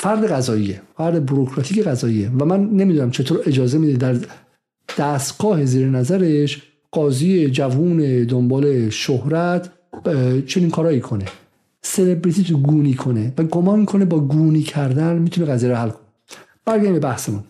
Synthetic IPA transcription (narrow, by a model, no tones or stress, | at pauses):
fæɾd̪eɣæzɒːijefæɾd̪ebuɾokʰɾɒt̪ʰiːcʰeɣæzɒːijevæmænːe̞miːd̪unæmt͡ʃʰe̞t̪ʰoːɾe̞d͡ʒɒːze̞mid̪ed̪æɾ | d̪̥æːst̪ɡɒːhe̞ziːɾenæzæɾeʃ | ɢ̥ɒːziːed͡ʒævuːned̪ombɒːleʃohɾæt̪ʰ | t͡ʃʰe̞niːnkʰɒːɾɒːjiːkʰonḛ | se̞lebɾit̪ʰit̪ʰuɡuːniːkʰo̞nevæɡomɒnkʰo̞ne̞bɒːɡuːniːcʰæɾd̪ænmiːt̪ʰuneɣæzijeɾohælkʰone | b̥æɾɡæɾimbebæhsemun